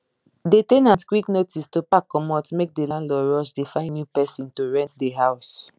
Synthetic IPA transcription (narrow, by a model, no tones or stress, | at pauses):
detenãntkwiknotistopakːɔmɔtmek̚delãnlɔɹɔʃdefãɪ̃njupɛsĩntoɹɛ̃ntdeɦaʊs